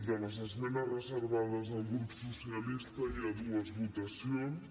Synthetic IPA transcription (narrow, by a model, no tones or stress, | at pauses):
bɛnɐzɐzmɛnɐrəzəɾβaðɐzðɐlɡɾupu̥susiɐlist̪ɐiaðuɐzβut̪ɐsjon